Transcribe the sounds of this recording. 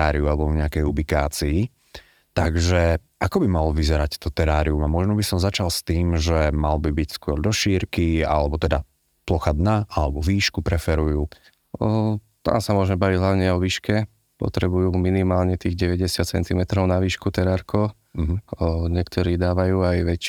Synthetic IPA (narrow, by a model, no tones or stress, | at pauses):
aːɾiualɛbɔvɲɛakɛjubikaːt͡sii | t̪aɡʒɛʔakɔbimalɔʋizɛɾact̪ɔt̪ɛɾaːɾiumamɔʒnɔbisɔmzat͡ʃalst̪iːmʒɛmalbibicskʊɔɾd̪ɔʃiːɾkia̰lɛbɔt̪ɛd̪a | plɔxad̪naalɛbɔʋiːʃkupɾɛfɛɾujuː | t̪a̰ːmsamʊɔʒmɛbaʋiɟɦlaʊɲɛɔʋiːʃkɛ | pɔ̰t̪ɾɛbujuːminimaːlɲɛt̪iːɣɟɛʋɛɟɛsɪat̪t͡sɛnt̪imɛt̪ɾɔʊnaʋiːʃkut̪ɛɾaɾkʰɔ | ɲɛk̚t̪ʰɔɾiːd̪aːʋajuːajʋɛc